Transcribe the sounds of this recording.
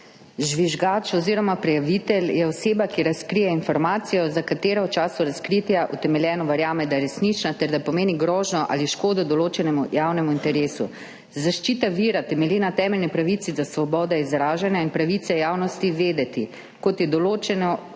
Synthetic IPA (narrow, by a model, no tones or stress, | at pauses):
ʒʋiʒɡaːt͡ʃɔziːɾɔmapɾɛjaʋit̪ɛljɛɔseːbakiɾaskɾijɛinfɔɾmaːt̪sijɔzakat̪eːɾawt͡ʃaːsuɾaskɾit̪jaʔut̪ɛmɛljɛːnɔʋɛɾjaːmɛd̪ajɛɾɛsnit͡ʃnat̪ɛɾd̪apɔmeːniɡɾɔːʒnɔʔa̰liʃkoːd̪ɔd̪ɔloːt͡ʃɛnɛmujaːwnɛmuint̪ɛɾeːsṵ | zaʃt͡ʃiːt̪aʋiːɾat̪ɛmɛljinat̪ɛːmɛlnipɾaʋit̪sizasʋɔbɔːd̪ɛizɾaːʒanjainpɾaʋit̪sɛjaːwnɔst̪iʋeːd̪ɛt̪i | kɔt̪jɛd̪ɔloːt͡ʃɛnɔ